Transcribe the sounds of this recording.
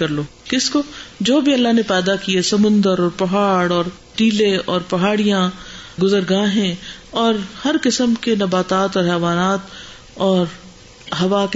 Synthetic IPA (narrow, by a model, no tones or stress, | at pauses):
kɐɾloːkɪskod͡ʒoːbʱiɐlːaɦnepɛːd̪akiesɐmʊ̃nd̪əɾɔːɾpɐɦaːɽɔːɾ | ʈiːlẽɔːɾpɐɦaːɽijãɡʊzəɾɡaːɦɛ̃ɔːɾhɐɾkɪsəmkenɐbaːt̪aːt̪ɔːɾɦɛːʋaːnaːt̪ | ɔːɾ | ɦɐʋak